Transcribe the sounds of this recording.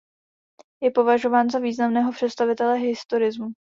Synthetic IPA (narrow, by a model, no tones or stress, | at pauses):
jɛpo̞vaʒo̞vaːnzaviːznamnɛːɦo̞pr̝̥ɛt̪st̪avɪt̪ɛlɛɦɪst̪oɾɪzmu